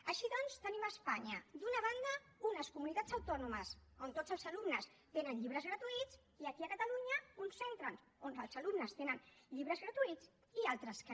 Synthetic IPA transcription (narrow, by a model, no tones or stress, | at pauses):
əʃiðɔnst̪əniməspaɲəd̪unəβand̪ə | unəskumunit̪at͡səwt̪ɔnuməsont̪od͡zəlˠzəlumnəs | t̪enənʎiβɾəzɣɾət̪uit͡s | iəkiəkət̪əluɲəunsent̪ɾən | onəlˠzəlumnəst̪enənʎiβ̞ɾəzɣɾət̪uit͡s | ialˠt̪ɾəsk